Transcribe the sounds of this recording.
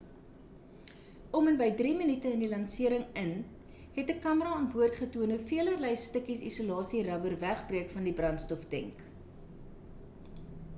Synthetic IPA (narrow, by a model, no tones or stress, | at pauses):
ɔmənbəjdrimənitəəndilɐnsiəɾəŋən | ɦɛtəkɐməɾɑɑːnbuərtχətuənəfiələrləjstəkisḭsulɑːsirɐbərvæχbriəkfɐndibrɐnstɔfdɛ̰ŋk